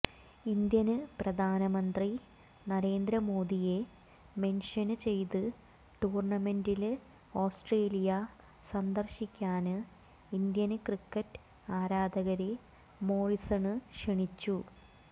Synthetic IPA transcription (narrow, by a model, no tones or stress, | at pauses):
ind̪jɐnɨprɐd̪ʱaːnɐmɐnd̪ri | nɐɾe̞ːnd̪ɾɐmo̞ːd̪ije̞ | me̞nʂɐnɨt͡ɕe̞jt̪ɨ | ʈuːrɳɐme̞ndil | o̞ːsʈreːlijɐ | sɐnd̪ɐrɕikʲːaːnɨ | ind̪jɐnɨkrikːɐtːɨ̥ | aːɾaːd̪ɐɣɐɾe | mo̞ːɻisɐɳɨʂeɳit͡ɕːu